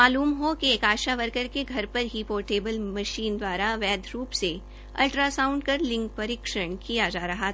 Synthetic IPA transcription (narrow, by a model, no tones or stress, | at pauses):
aːluːmɦokieːkaːʃaʋɐɾkəɾkeɡʱɐɾpɐɾɦipoːɾʈeːbəlmɐʃiːnd̪waːɾaʋɛːd̪ʱɾuːpse | ɐ̰lʈɾasaːʊ̃ɳɖkɐɾlɪ̃ŋk̚pɐɾiːkʃəɽ̃kijad͡ʒaːɾɐɦat̪ː